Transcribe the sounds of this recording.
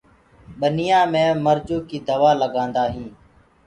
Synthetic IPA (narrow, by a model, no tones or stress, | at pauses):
ɓənɪjãːmẽːməɾd͡ʒuːkiːd̪əʋaːləɡãːnd̪aːɦĩː